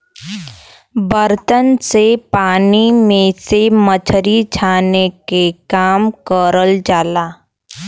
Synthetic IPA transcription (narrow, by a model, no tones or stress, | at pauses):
bəɾt̪ənsepaːnimẽsemət͡ʃʰɾid͡ʒʰaːnekekaːmkəɾəld͡ʒaːlaː